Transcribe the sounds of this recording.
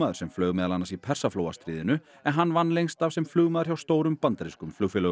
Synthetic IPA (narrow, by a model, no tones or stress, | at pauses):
aːðʏɾsɛmflœɥɣmɛːðalanːasipʰɛr̥safloːwa̰st̪ɾiːðɪnʏ | ɛnɦanːvanːlejŋst̪av̥sɛmflʏːɣmaːðʏ̥ɾ̥çawst̪oːwɾʏmpant̪aɾiskʏmflʏːɣfɛlœ